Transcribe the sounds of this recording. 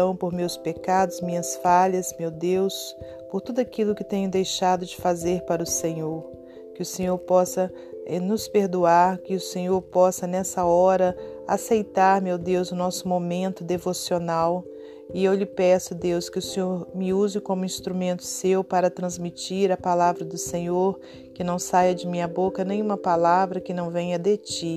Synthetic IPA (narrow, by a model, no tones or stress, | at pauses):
ɐ̃w̃poɾmewspekad̪ʊzmĩɲɐsfaʎɐsmewd̪ews | poɾt̪ud̪ʊakilʊkɪt̪ẽɲʊd̪ejʃad̪ʊd͡ʒɪfazeɾpaɾɐʊsẽɲoɾ | kɪʊsẽɲoɾpɔsɐ | ɛnʊspeɾd̪uaɾkɪʊsẽɲoɾpɔsɐnɛsɐɔɾɐa̰sejt̪aɾmewd̪ewzʊnɔsʊmomẽnt̪ʊd̪evosionaw | ɪewlɪpɛsʊd̪ewskɪʊsẽɲoɾmɪuzɪkõmʊĩst̪ɾumẽnt̪ʊ̥sewpaɾɐt̪ɾɐ̃zmit͡ʃiɾɐpalavɾɐd̪ʊsẽɲoɾ | kɪnɐ̃w̃sajɐd͡ʒɪmĩɲɐbokɐnẽj̃ũmɐpalavɾɐkɪnɐ̃w̃vẽjɐd̪et͡ʃi